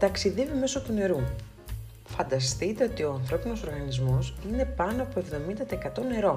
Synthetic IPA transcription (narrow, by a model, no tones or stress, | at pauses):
t̪ɐksiðevime̞so̞t̪une̞ɾu | fɐnd̪ɐst̪it̪e̞o̞t̪io̞ɐnθɾo̞pino̞so̞ɾɣɐnizmo̞sine̞pɐnoɐpo̞e̞vðo̞mind̪ɐt̪ekɐt̪o̞ne̞ɾo̞